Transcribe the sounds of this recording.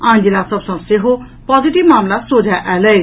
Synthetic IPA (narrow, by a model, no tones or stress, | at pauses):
ãːnd͡ʒilasəbsə̃seɦo | paːziʈibmaːmlasod͡ʒʱaʔɛləe